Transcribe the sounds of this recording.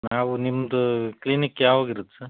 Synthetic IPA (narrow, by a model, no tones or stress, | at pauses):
naːʋunimːɐd̪uklinikːjaːʋoɡiɾut̪ːsɐɾ